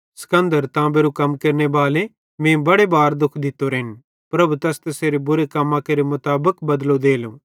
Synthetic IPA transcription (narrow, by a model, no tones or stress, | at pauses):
sɐ̥kə̃nd̪əɾt̪ãbeːɾukɐmkɐɾnebaːle | mẽːbɐɽebaːɾd̪ʊkʰd̪ɪt̪ːoɾɦɪn | pɾɐbut̪ɛst̪ɐseːɾebʊɾekɐmːãkeɾemʊt̪aːbəkbɐd̪lod̪eːlũː